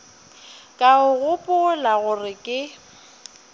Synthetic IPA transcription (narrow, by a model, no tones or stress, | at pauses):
kʼaʊɣʊpʼʊlaɣʊrɪkʼɪ